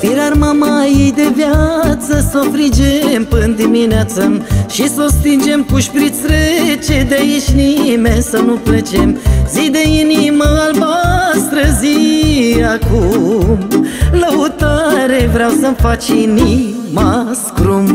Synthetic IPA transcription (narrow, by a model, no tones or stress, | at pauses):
peɾarmamajejd̪e̞vjat̪səso̞fɾid͡ʒempɨnd̪imineat̪səʃiso̞st̪ind͡ʒe̞mkuʃpɾit̪sɾet͡ʃed̪ejiʃʲnimesənuplet͡ʃemzid̪e̞iniməalbast̪ɾəziakumləut̪aɾevɾeawsəmfat͡ʃinimaskɾum